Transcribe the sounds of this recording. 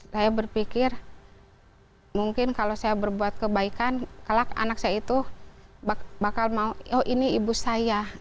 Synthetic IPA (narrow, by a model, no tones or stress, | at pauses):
sajabərpikɪr | muŋkɪnkalosajabərbuat̪̚kəbaikankəlaka̰nak̚sajait̪ubabakalmauɔʔiniibusaja